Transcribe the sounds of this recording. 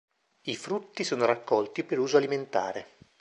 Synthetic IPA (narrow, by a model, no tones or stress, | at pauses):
ifɾut̪ːisoːnoɾakːɔlt̪ipeɾuːzoaliment̪a̰ːɾe